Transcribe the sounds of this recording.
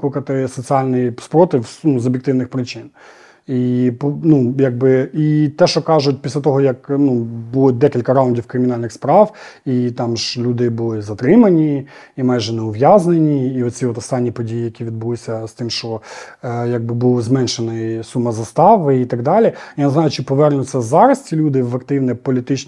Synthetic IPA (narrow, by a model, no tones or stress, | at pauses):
klʊkɐt̪ɪsɔt͡sʲiɑlʲnɪjispɾɔt̪ɪwnuzɔbʲjek̚t̪ɪwnɪxpɾɪt͡ʃɪn | ipnujɐɡ̚bɪit̪ɛʃt͡ʃɔkɑʒʊt̚ʲpʲislʲɐt̪ɔɦɔjɐknubulˠɪd̪ɛkʲilʲkɐɾɑʊnʲdʲiwkɾɪmʲɪnɑlʲnɪxspɾɑwit̪ɑmʒlʲud̪ɪbulˠɪzɐt̪ɾɪmɐnʲi | imɑjʒɛnɛʊʋjɑznenʲiːɔt͡sʲiɔt̪ɔst̪ɑnʲːipɔdʲijijɐkʲiʋʲid̪̚bʊlˠɪsʲɐst̪ɪmʃt͡ʃɔ | jɐɡ̚bɪbulˠzmɛnʃenɪsumɐzɐst̪ɑʋɪit̪ɐɡd̪ɑlʲijaneznɑjʊt͡ʃɪpɔʋɛrnʲʊsʲɛzɑɾɐstʲilʲud̪ɪʋɐkt̪ɪwnɛpɔlʲit̪ɪt͡ʃn